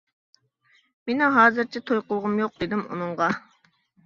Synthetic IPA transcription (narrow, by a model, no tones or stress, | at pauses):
menɪɦɑːzɨɾt͡ʃʰɛt̪ʰojqʊlˠʁʊmjoq̚d̪ɪd̪ɪmṵnɨɴʁɑ